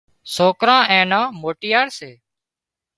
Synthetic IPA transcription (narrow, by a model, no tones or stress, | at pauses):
soːkɾãːʔɛ̃ːnãːmoːʈɪjaːɾseː